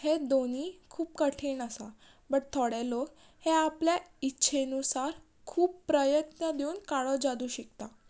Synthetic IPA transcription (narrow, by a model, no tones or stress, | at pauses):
hed̪onikʰuːp̚kəʈʰiːnəsa | bəɽt̪ʰɔɽelok | heapljaitːɕʰenusaɾ | kʰuːpːɾəjət̪nəd̪euːnkaɭɔd͡zad̪uːɕik̚t̪a